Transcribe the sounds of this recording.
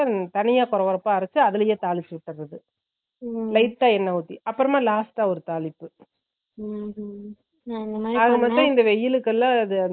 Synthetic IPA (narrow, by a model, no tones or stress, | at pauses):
at̪ɐnɪjaːkɔɾɐʋɔɾɐpːaːɐɾɐt͡ʃːɯɐðɯlɐjeːt̪aːlɪt͡ʃːɯʋɪʈːɐɐðɯ | lɐɪt̪ːaːɛnːɐʊt̪ːḭɐpːɯɾɐmaːlaːsʈaːɔɾɯt̪aːlɪpːɯ | ɐðɯmɐt̪ːɐ̃ɪnd̪ɐʋɛjːɪlɯkːɛlːãːɐðɯɐ